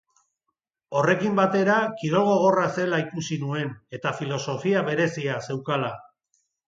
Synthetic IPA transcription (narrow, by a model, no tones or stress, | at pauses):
o̞re̞kimbat̪e̞ɾakiðo̞lɣo̞ɣ̞o̞rase̞laikusinue̞ne̞t̪afilo̞so̞fiaβe̞ɾe̞siase̞wkala